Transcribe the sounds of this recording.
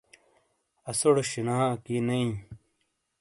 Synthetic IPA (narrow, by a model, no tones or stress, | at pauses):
ɐsoɽɕinaːkinɐĩ